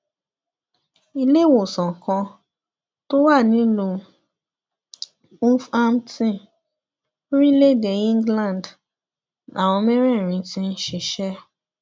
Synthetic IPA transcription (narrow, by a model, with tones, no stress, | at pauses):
i˧le˦wo˨sɔ̃˨kɔ̃˧ | to˦wa˦˨nĩ˨˦lo˧ | u˦fa˦mtĩ˦ | o˦ɾi˦le˦˨de˨ĩ˦ŋɡlã˦˨nd | ʔa̰˨w̃ɔ̃˧mɛ̃˦ɾ̃ɛ̃˦˨ɾ̃ĩ˧tĩ˦n̩˦ʃe˧ʃɛ˦